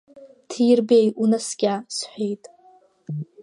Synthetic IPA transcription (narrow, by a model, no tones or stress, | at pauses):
tʰjrbejunasɡʲasħʷejtʼ